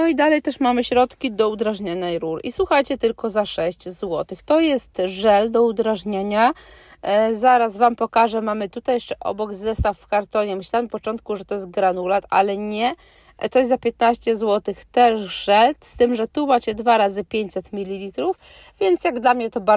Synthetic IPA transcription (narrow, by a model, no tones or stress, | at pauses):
nɔid̪alɛjt̪ɛʂmamɘɕɾɔt̪kʲid̪ɔud̪ɾaʐɲaɲɛjɾuɾḭswuxajt͡ɕɛt̪ɘlkɔzaʂɛɕt͡ɕzwɔt̪ɘxt̪ɔjɛst̪ʐɛld̪ɔud̪ɾaʐɲaɲa | zaɾasvampɔkaʐɛmamɘt̪ut̪ajɛʂt͡ʂɛʔɔ̰bɔɡzɛst̪affkaɾt̪ɔɲɛmɘɕlampɔt͡ʂɔnt̪̚kuʐɛt̪ɔjɛs̬t̪̚ɡɾanulat̪a̰lɛɲɛ | t̪ɔjɛszapʲjɛt̪naɕt͡ɕɛzwɔt̪ɘxt̪ɛʂʐɛlt̪st̪ɘmʐɛt̪umat͡ɕɛd̪vaɾazɘpʲjeɲt͡ɕʲsɛt̪mʲilʲːilʲit̪ɾuf | vʲjɛnt̪sjaɡd̪lamɲɛt̪ɔbaɾ